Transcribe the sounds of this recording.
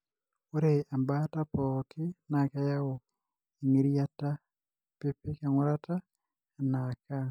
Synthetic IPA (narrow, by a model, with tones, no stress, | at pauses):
o˦ɾea˨mbata˦pɔkʰɪ˦naka˦ja˦o˨ | e˨ŋi˨ɾiata | pe˦pe˦ka˨ŋo˦ɾata˦ | naka